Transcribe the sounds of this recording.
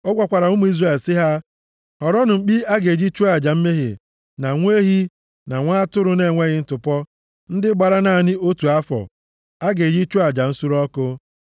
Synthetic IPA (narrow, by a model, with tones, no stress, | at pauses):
ɔ˦ɡʷa˨kʷa˨ɾa˨ʊ˦mu˦i˦zra˨e˨lsɪ˦ɦa˦ | hɔ˨ɾɔ˦nʊ˨ŋ͡m̩˨k͡pi˦a˦ɡe˨d͡ʒi˦t͡ʃu˦a˨d͡ʒa˨m̩˦me˦ɦḛ˨ | na˨ŋʷ˦e˦ɦi˦ | na˨ŋʷa˦a˦tʊ˦ɾʊ˨ne˦˨ŋʷe˦ɣɪ˦n̩˦tʊ˨pɔ˦ | n̩˦dɪ˦ɡ͡ba˨ɾa˦na˨nɪ˦o˦tu˨a˦fɔ̰˨ | a˦ɡe˨d͡ʒi˦t͡ʃu˦a˨d͡ʒa˨n̩˦su˦ɾɔ˦kʊ˦